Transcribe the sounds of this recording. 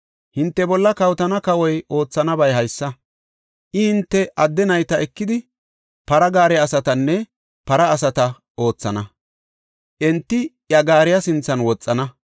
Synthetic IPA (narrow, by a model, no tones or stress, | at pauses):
hɪnt̪ːɛbɔlːɐkɐwt̪ɐnɐkɐwɔjo̞ːt͡sːɐnɐbɐjɦɐjsːɐ | ʔɪhɪnt̪ːɛʔɐd̪ːɛnɐjt̪ɐʔɛkːɪd̪ɪ | pɐɾɐɡaːɾɛɐsɐt̪ɐnːɛ | pɐɾɐːsɐt̪ɐ | o̞ːt͡sːɐnɐ | ʔɛnt̪ːɪ | jɐɡaːɾɪjɐsɪnt͡sːɐnwɔt͡sʼːɐnɐ